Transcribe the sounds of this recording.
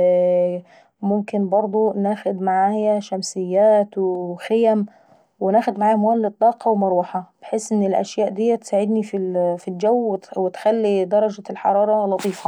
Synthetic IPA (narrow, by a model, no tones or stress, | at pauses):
mʊmkɪnbɑɾˤd̪ˤonaːxʊd̪maʕaːjæʃæmsɪjːæːt̪wxɪjæm | wɪnæːxʊd̪maʕaːjæmwaːlːɨt̪ˤːɑːqɑwmɑɾˤuħɑb̥eħeːsʔɪnːɪlʔæ̰ʃjaːʔd̪ɪjːæt̪saːʕɪd̪nififild͡ʒæwːwɪt̪xælːid̪ɑɾˤɑd͡ʒalħɑ̰ɾˤɑːɾˤɑlɑt̪ˤiːfɑ